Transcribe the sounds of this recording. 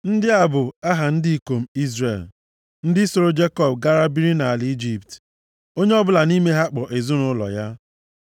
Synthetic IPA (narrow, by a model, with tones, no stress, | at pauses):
n̩˦dɪ˦a˨bʊ˨a˦ɦa˨n̩˦di˦i˦˨ko˨m̩˦i˦zɾḛ˨l | n̩˦dɪ˦so˨ɾo˦d͡ʒe˦kɔ˨b̚ɡa˦ɾa˦bi˦ɾi˦na˨a˨li˦d͡ʒi˦pt | o˦ɲe˦ɔ˦bʊ˦la˨ni˦me˦ɦa˦k͡pɔ˨ʔe˨zʊ˦nʊ˦lɔ̰˨ja˦